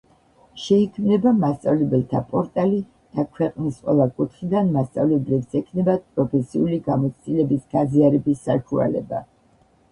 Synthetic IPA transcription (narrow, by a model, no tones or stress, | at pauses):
ʃɛikʰmnɛbamast̪sʼavlɛbɛlˠt̪ʰapʼɔɾt̪ʼali | d̪̥akʰwɛqʼnisqʼwɛ̰lˠakʼut̪ʰχid̪anmast̪sʼa̰vlɛblɛbsɛkʰnɛbad̪̚pʼɾɔpʰɛsiuliɡamɔt̪sʰt̪ʼilɛbisɡ̥aziaɾɛbisːaʃua̰lɛ̰ba